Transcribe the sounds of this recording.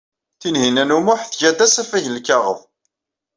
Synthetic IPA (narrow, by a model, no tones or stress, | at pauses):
θinhinænumʊħθʝæd̪æsæfæʝəlkɑʁə̰ðˤ